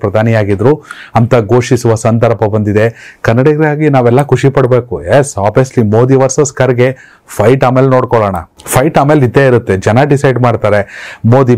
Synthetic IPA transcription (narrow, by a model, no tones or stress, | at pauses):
pɾɐd̪ʱaːnijaːɡid̪ɾuɐnt̪ɐɡo̞ːʂisuʋɐsɐnd̪ɐɾpɐbɐnd̪id̪e̞kɐnːɐɽɐɡɾaːɡinaːʋɛlːɐkʰuʂipɐɽbe̞ːkujesaːbeslimoːd̪iʋɐɾsɐskɐɾɡe̞ | pʰɐjʈaːmeːlenoːɽkɔɭɐːɳɐ̰pʰɐjʈaːmeːlid̪ːeiɾut̪ːed͡ʒɛnɐɖisɐjɖmaːɖt̪aːɾe̞moːd̪i